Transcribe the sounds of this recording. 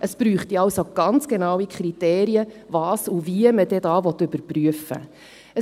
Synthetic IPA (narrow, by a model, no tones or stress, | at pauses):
ʔəspɾyːχtiɑwsoɡ̥ɑnt͡sɡ̥enɑwikʰχɾiteːɾiəvɑːsuviəməd̥ɛdɑːvɔt̪ɵbəɾpryəfə̰ | ə